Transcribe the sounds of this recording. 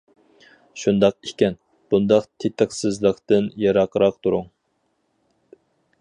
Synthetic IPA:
ʃund̪ɑq̚ikʲɛn | b̥und̪ɑqt̪ʰet̪ʰəqsɨzlˠəqt̪ɨnjɑɾɑqʰəɾɑq̚t̪ʰuɾuŋ

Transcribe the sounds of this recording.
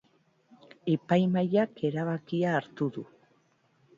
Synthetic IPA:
e̞pajmajake̞ɾaβakiaːɾt̪uðu

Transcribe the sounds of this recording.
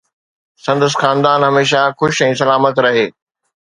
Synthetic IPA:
sɐ̃nd̪əs̬xaːnd̪aːnɦɐmeːʃaxʊʃɛ̃ːs̬ɐlaːmət̪ɾɐɦeː

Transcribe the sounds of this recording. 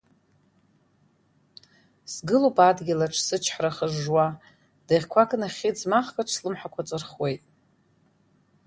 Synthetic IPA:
sɡɨlupʰʼadɡʲilaʈ͡ʂʰsɨt͡ʃʰħɾaχəʐːwa | d̥eʁʲkʷʰakʰʼnaχʲid͡zmaχkaʈ͡ʂʰslɨmħakʷʰat͡sʼɨrχwe̞jtʼ

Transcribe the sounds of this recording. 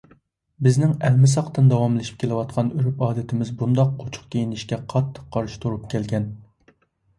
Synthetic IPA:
bɪznɪŋɛlmɪs̬ɑqt̪ɨnd̪ɑwɑmlˠɪʃi̥p̚kʲʰelˠɨwɑt̪qʰɑnyɾypɑːd̪ɪt̪ʰɪmɪzbund̪ɑqːʰot͡ʃʰʊ̥qkʲejinɪʃkʲɛqʰɑt̪ʰːə̥qʰːɑɾʃi̥t̪ʰuɾupkʲʰɛlɡʲɛn

